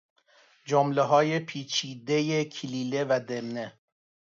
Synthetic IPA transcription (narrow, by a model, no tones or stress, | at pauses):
d͡ʒomleɦɒːjepʰiːt͡ʃʰiːd̪e̞jecʰiliːle̞væd̪emne